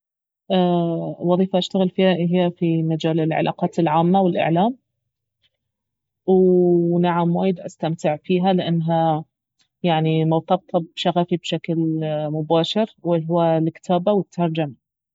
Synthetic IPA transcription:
ʔaːwɑðˤiːfaʔaʃt̪aɣɪlfiːhaɦɪhafimad͡ʒaːlɪlʕa̰lʔɑ̰ːqɑːt̪ɪlʕaːmːawɪlʔɪ̰ʕlaːm | wnaʕamwaːjɪd̪ʔast̪amt̪ɪʕfiːɦalɪʔanːɦa | jaʕnimɑwt̪ˤɑb̚t̪ʰɑbʃaɣafibʃaklmʊbaːʃɪɾwɪɦʊwalkːɪ̥t̪ʰaːbawɪt̪ʰːɑɾˤd͡ʒama

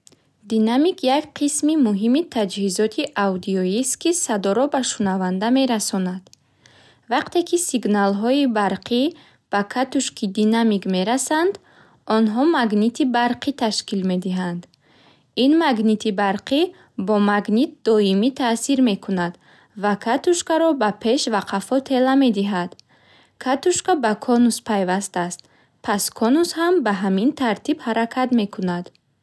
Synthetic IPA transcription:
d̪inamikʰjakqʰismimuɦimit̪ʰad͡ʒhizɔt̪ʰiʔawd̪iɔist̪kʰisad̪ɔɾɔbaʃunavand̪ame̞ɾasɔnad̪̥ | vaqt̪e̞kʰisiɡnalɦɔibaɾqʰi | b̥akʰat̪uʃkʰid̪inamikme̞ɾasand̪ | ɔnɦɔmaɡnit̪ʰibaɾqʰit̪ʰaʃkilme̞d̪iɦand̪ | inmaɡnit̪ʰibaɾqʰi | bɔmaɡnit̪̚d̪ɔimit̪ʰasiɾme̞kʰunad̪ | vakʰat̪uʃkaɾɔbapʰe̞ʃvaqʰafɔt̪ʰe̞lame̞d̪iɦad̪ | kʰat̪uʃkabakʰɔnuspʰajvast̪aːst̪ | pʰaskʰɔnushambaɦamint̪ʰaɾt̪ʰibhaɾakʰat̪me̞kʰunad̪̥

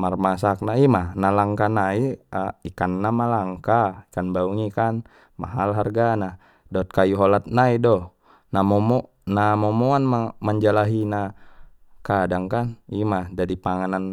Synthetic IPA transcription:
marmasak̚naimahnalaŋkanaiaikanːamalaŋkaikanbauŋikan | ma̰ɦalɦarɡana | dɔt̪̚kajuɦɔlat̪̚naidɔh | namɔmɔ | namɔmɔanmamaɲd͡ʒalaɦina | kadaŋkanimahd͡ʒadipaŋanan

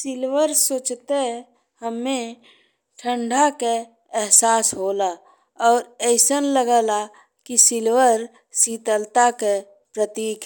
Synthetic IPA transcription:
sɪlʋəɾsoːt͡ʃt̪e | həmːe | ʈʰə̃ɳɖʱake | ɛɦsaːsɦoːla | ɔːɾɛɪsənləɡəla | kisɪlwəɾ | siːt̪əlt̪ake | pɾət̪iːk

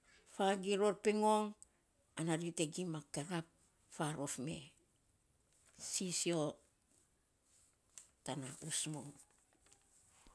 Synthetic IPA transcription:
faɡiɾo̞ɾpeŋo̞ŋ | anaɾiteɡimakeɾap̚ | faɾofme̞̰ | sisio̞ | tanausmoŋ

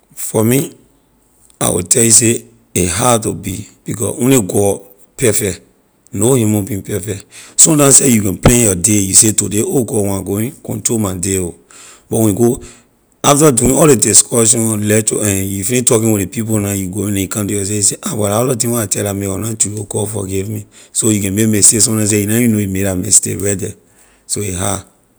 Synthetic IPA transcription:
fɔmi | a̰wḭtʰɛljuse | eɦatobib̥ikɔ̰swɛ̃neɡɔ | pɛfɛk | nohimõbĩpɛfɛksɔ̃mtãmsejukɛ̃nplɛ̃njɔdejusetudeoɡɔwɔ̃aɡoĩkɔ̰̃ntomadeo | bɔwɛ̃nĩɡo | aftaduĩnɔldediskʰɔʃ̬ɔ̃nlɛtɔ̰ɛ̃njufilĩtɔkĩnwiepip̬onajuɡoĩnɛ̃jukãmtujɔs̬ejiseʔawaɾaɔlat̬ĩŋwɔatɛlameɔnatuokɔfɔ̰ɡivmisojukɛ̃nmekmɛstesɔ̃tãns̬ejinajunoimeɾamɛ̰stḛwɛdɛ | soiɦa

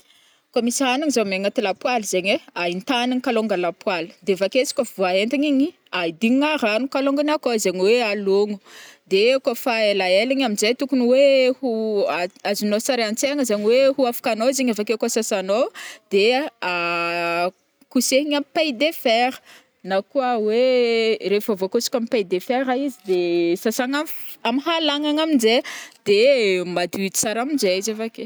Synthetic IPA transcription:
komisanaŋizomeŋat̪ilapwalzeɲweaint̪aniŋkaloŋɡalapwalə̥d̪evakesi̥kʲəvuaent̪iɲiɲi | aid̪iŋŋaɾanukaloŋɡanakozeɲwealoŋu̥d̪ekofaelaelaɲaminzejt̪ukunuwehuaazinosaɾeant͡seŋəzeɲiwehuafḁkanoziɲafakekosasanod̪ea | kuseɦiɲampajd̪efeɾə̥ | nakuəweɾefavokosi̥kʲamipajd̪efeɾaizid̪esasaŋaamiɦalaŋaŋamind͡ʒed̪̥emad̪ut͡saɾamind͡ʒeizafake

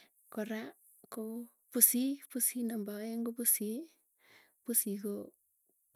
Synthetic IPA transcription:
kɔɾa | ko | pusipusinambaeŋɡopusi | pusiko

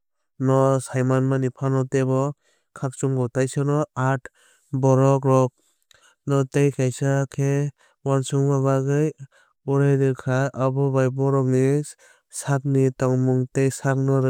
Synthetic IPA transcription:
nɔsajmanmanipʰanɔteβɔ | kʰak̚t͡ʃuŋɡɔtajsɯnɔat | bɔɾɔk̬ɾɔk̚ | nɔtejkʰajsakʰe | wansɯŋbaβaɡɯj | uɾajdɯkʰaabɔbajbɔɾɔk̚ni | sak̚nitaŋmuŋtejsak̚nɔɾ

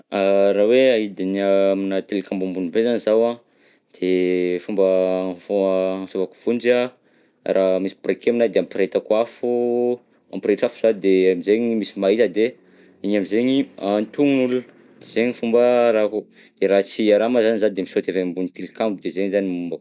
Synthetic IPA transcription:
aɾaweaid̪iniaminat̪elikʲambambunibezanizawã | d̪̥efumbəvoãsovaku̥v̥und͡ʒia | ramisi̥prekʰeminad̪eampiɾet̪akuafu | a̰mpiɾeʈ͡ʂafu̥z̥ad̪eamizeɲimisimaɦit̪əd̪e | iɲamizeɲiant̪uŋunulunə | d̪̥ezeɲifumbəɾaku | d̪̥eɾat͡siaɾamazanizad̪emisot̪evembunit̪elikambud̪ezeŋizanimumba

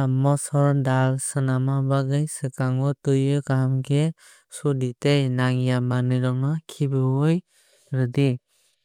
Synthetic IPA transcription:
mɔsɔɾdalsɯnamabaɡɯjsɯkaŋɔtɯjɯkamkʰe | suditejnaŋijamanɯɾɔŋɯkʰibɯwɯj | ɾɯdi

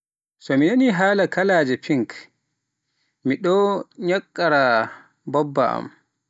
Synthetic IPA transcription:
sɔminaniɦaːlakalaːd͡ʒɛpiŋk | miɗɔɲakʼːaɾa | bɔbːaa̰m

